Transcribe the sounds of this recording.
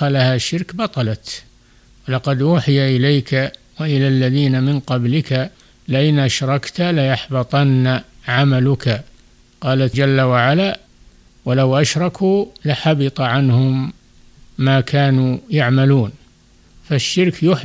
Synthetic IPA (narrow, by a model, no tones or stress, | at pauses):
alahaʃːɪɾkbɑt̪ˤɑlat̪ | walɑqɑd̪ʔuːħɪjaʔɪlejkʰawaʔɪlalːaðiːnamɪnqɑblɪkʰa | lɪʔɪnʔaʃɾˤɑkt̪alajaħbɑt̪ˤɑnːaʕamalʊkʰa | qɑːlat̪d͡ʒalːawaʕala | walawʔaʃɾˤɑkʰuːlaħabɪt̪ˤɑʕanhʊmː | aːkʰaːnujaʕmaluːn | faʃːɪɾkjʊħ